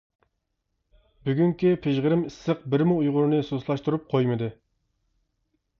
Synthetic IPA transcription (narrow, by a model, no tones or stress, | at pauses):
byɡʲyŋkʲipʰeʒʁəɾɪmisːəq̚bɪɾmuujʁʊɾnɨsoslˠɑʃt̪uɾup̚qʰojmɨd̪ɨ